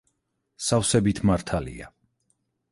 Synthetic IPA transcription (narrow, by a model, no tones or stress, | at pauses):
safsɛbit̪ʰmaɾt̪ʰalḭa̰